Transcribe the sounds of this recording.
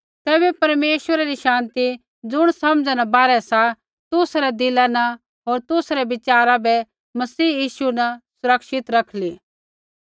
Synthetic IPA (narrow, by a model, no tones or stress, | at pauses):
t̪ɛːbɛpɐɾmeːʃwəɾaɾiʃãːnt̪i | d͡zʊɽ̃sɐmd͡zanabaːɾɛsa | t̪ʊsɾɛd̪ɪlanɐ | ɦoːɾt̪ʊsɾɛbɪt͡ʃaːɾabɛ | mɐsiːjiːʃunɐsʊɾəkʃɪt̪ɾɐkʰli